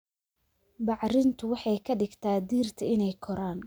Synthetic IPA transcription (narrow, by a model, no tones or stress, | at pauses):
bɑʕɾɪnt̪ʰʊwɑħɑjkʰɐɖɪɡt̪ʰaːd̪iːrt̪ʰɐɪnɛjkʰɔɾaːn